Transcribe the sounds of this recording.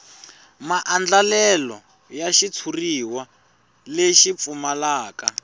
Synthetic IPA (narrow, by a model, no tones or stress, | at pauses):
maʔand͡ɮalɛlɔ̰ | jaʃit͡sʰuriwa | leʃip̪fumalaːka